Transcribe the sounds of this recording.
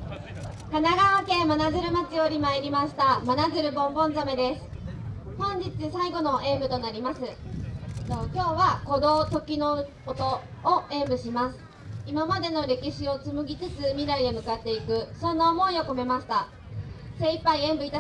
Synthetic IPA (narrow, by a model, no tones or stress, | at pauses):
kanaɡaβake̞manazɨɾɯ̟mat͡sɨo̞ɾʲimaeɾʲimaɕi̥t̪amanazɨɾɯ̟bõ̞mbõ̞nd͡zame̞d̪e̞sɨ̥ | hõ̞ɲ̟d͡ʑit͡sɨsaiɡo̞no̞ʔe̞ːbɯ̟t̪onaɾʲimasɨ | nokʲo̞ːβako̞d̪o̞ːt̪o̞kʲino̞ɯkot̪o̞ːe̞ːbɯ̟ɕimasɨ̥ | imamad̪e̞no̞ɾe̞kʲiɕio̞t͡sɨmɯ̟ɡʲit͡sɨt͡sɨmʲiɾaɾʲidemɯ̟kat̪ːe̞ikɯ̟sõ̞nːaomo̞io̞ko̞me̞maɕi̥t̪a | se̞ipːaiẽ̞mbɯ̟it̪a